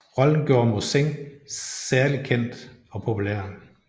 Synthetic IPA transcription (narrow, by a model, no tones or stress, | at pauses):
ʁɒ̽ln̩ɡ̥jo̝ːɐmoseŋ | sæɐlikʰen̰d̥ɒ̽pʰo̝pʰuleɐ̰